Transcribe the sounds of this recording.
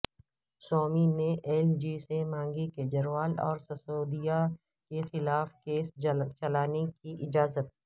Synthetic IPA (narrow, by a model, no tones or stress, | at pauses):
sɔːmineʔɛːld͡ʒiːsemãːŋɡiked͡ʒɐɾʋaːlɔ̰ːɾsɐsoːd̪ija | kexɪlaːfkeːst͡ʃɐlaːnekiʔɪd͡ʒaːzət̪̚